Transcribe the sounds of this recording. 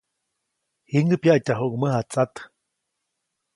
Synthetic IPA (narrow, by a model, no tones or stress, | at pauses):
hiŋɡəpjaʔcaɦuʔɡməhat͡sat̪